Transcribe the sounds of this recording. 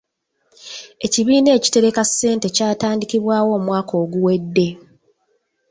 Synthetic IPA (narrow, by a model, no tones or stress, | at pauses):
e̞ciβiːne̞ːci̥te̞ɾe̞kasːe̞ːnte̞caːtaːndikiβwaːwo̞ːmwaːkʰo̞ːɡuwe̞dːe̞